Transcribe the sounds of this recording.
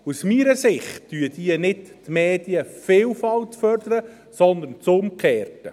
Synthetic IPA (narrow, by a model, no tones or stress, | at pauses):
usmiːɾəsɪχt̚d̥yəd̥iənɪttmeːd̥iəfɪːlfɑltfœrd̪əɾə | sɔnd̪ənt͡sʊmkʰeːrtə